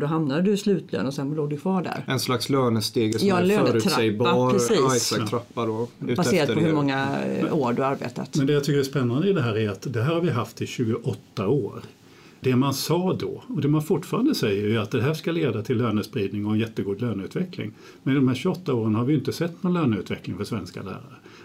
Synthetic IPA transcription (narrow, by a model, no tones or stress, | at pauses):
d̪ɔɦamnad̪əd̪ɵslʉ̟ːt̪ʰlø̰ːnɔsɛnbloːɖɵkʰvɑːɖæ̰ɾɛnslaksløːnəst̪eːɡjɑnløːnːʰɾaɛjbpʰɾɛsiːjsaɾapːad̪obaseːɾat̪pʰɔhɵmɔŋːaoːɖɵhaaɾbḛːt̪a̰t̪mɛnd̪ɛjat̪ʏkːəɾæspɛnːand̪əɪd̪ɛɦæːɾæɾat̪d̪ɛɦæːɾhaɾvɪɦaft̪ɪɕʉ̟ːɡʊʔɔt̪ːaoːɾ | d̪ɛmansɑːd̪ɔ̰ɔd̪ɛmanfʊʈːfɑːɾand̪əsɛjːəɾæɾat̪̚d̪ɛɦæːʂkaleːd̪at̪ʰɪlːøːnəspɾiːd̪nɪŋɔɛnjɛt̪ːəɡuːd̪løːnʉ̟ːt̪vɛklɪ̰ŋ | mɛnɪd̪ɔmhæːɾɕʉɔt̪ːaoːɾənhaɾvɪjɪnt̪əsɛt̪ːnɔnløːnʉ̟t̪vɛklɪŋfœʂvɛnska̰læ̰ːɾa̰ɾə